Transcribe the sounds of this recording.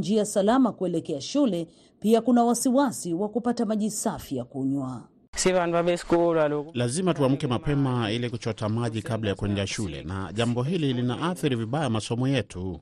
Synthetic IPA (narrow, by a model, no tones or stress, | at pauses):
nd͡ʒiasalamakuɛlɛkɛaʃulɛ | piakunawasiwasiwakupatamaʄisafijakuɲwa | sivanvabɛskulalulazimatuam̩kɛmapɛmailikut͡ʃɔtamaʄikablajakuɛŋdaʃulɛ̰na̰ʄambɔɦililinaʔaθiɾiviɓajamasɔmɔjɛtʰu